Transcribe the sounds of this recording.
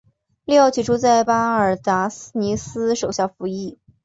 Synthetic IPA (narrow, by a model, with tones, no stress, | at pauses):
li˥˩ɑ˥˩ʊt͡ɕʰi˨˩ʈ͡ʂʰu˥t͡sa˥˧ɪpa˥ə˞˨˩t̪a˧˥ni˧˥sɹ̩˥ʂo˨˩ʊɕjɑ˥˩ʊfu˧˥i˥˩